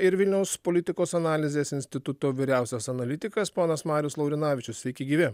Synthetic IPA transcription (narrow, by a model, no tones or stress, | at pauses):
ɪɾʋʲɪlʲnʲɛʊspolʲɪt̪ʲɪkoːsɐnɑːlʲɪzʲeːsɪnʲsʲt̪ʲɪt̪ʊt̪oːʋʲɪɾʲæˑʊsʲɛsɐnɐlʲɪt̪ʲɪkɐspoːnɐsmɑːɾʲjʊslˠɐʊɾʲɪnɑːʋʲɪt͡ʃʲʊsʲʋʲɛɪkʲɛɪɡʲiːʋʲɪ